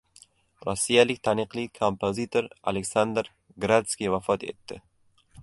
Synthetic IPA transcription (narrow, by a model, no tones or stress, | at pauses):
ɾɒsːijalɪk̚ʲt̪ʰaniqlikʰompʰozit̪ʰoɾa̰leksand̪ɾ | ɡɾad̪skʲiwafɒt̪ḛt̪ːɪ